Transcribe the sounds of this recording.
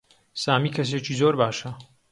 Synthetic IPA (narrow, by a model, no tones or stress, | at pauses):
saːmiːkʰɐs̬eːt͡ʃiːzoːɾbaːʃɐ